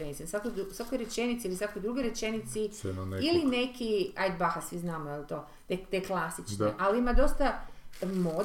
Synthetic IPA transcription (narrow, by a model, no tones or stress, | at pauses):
ɾenisinsʋakojd̪uusʋakojɾet͡ʃe̞nit̪siːlisʋakojd̪ɾuɡeɾe̞t͡ʃenit̪sinilinekiajd̪baxasʋiznaːmoelt̪o̞ː | d̪et̪eklasit͡ʃnaʔalimad̪o̞st̪amo